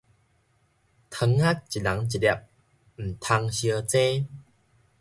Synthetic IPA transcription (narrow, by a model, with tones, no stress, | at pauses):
t̪ʰə˧ŋa˦˥k̚t͡ɕi˨la˨˦ŋt͡ɕi˨˩ja˧˩p̚ | m̩˨˩t̪ʰa˧ŋɕjə˧t͡sẽ˦